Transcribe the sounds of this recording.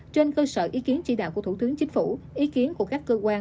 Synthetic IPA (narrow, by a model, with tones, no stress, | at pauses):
t͡ɕe˧nkəː˧səː˧˩ʔi˨˦ki˨˦ənt͡ɕḭ˧˩ɗa̰˧˨ku˧˩ət̪ʰt̪ɨ˨˦əŋt͡ɕï˨˦ŋ̟fu˧˩ʔi˨˦ki˨˦ənku˧˩əkaː˦˥kːəː˧kwaː˧